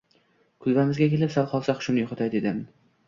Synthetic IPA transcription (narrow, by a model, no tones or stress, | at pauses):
kʰʊlbamɪzɡʲakʲe̞lɪpsalˠqʰɒlˠsaqʰʊʃɪmnɪjoχʊt̪ajd̪ed̪ɪm